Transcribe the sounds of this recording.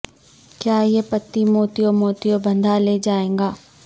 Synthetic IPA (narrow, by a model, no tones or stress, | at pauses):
kjaːjepɐt̪ːimoːt̪ijomoːt̪ijobɐ̃nd̪ʱaleːd͡ʒaːẽːŋɡaː